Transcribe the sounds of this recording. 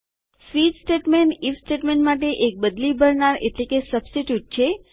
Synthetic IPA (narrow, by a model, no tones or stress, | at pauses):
sʋid̪sʈeʈmeɳʈifsʈeʈmeɳʈmaʈ̬eʔek̚bəd̪libʱəɾɳaɾeʈlekesəbsʈiʈjuʈ̚t͡ʃʰe